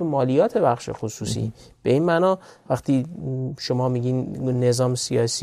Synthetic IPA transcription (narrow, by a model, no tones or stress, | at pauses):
emɒːlijɒːt̪ʰe̞bæxʃḛxosuːsḭ | b̥e̞iːnmænɒːvæxt̪ʰiːʃomɒːmiɟiːnnːe̞zɒːmsiɒːs